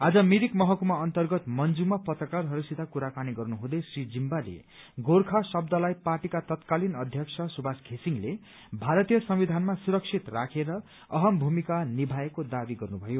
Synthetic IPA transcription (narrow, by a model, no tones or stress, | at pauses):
ad͡zʌmiɾikmʌɦʌkumaʌnt̪ʌrɡʌt̪mʌnd͡zumapʌt̪rʌkarɦʌɾusit̪akuɾakaniɡʌrnuɦũd̪ʌjsrid͡zimbalḛ | ɡorkʰasʌbd̪ʌlajparʈikat̪ʌt̪kalinʌd̪ʱjʌksʰʌsubʱaskʰesiŋle | bʱaɾʌt̪ijʌsʌmbid̪ʱanmasuɾʌk̚sʰit̪rakʰeɾʌ | ʌɦʌmbʱumikanibʱaekod̪abiɡʌrnubʱʌjo